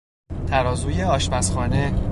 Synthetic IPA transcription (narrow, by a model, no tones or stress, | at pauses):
t̪ʰæɾɒːzuːjeɒːʃmæsxɒːne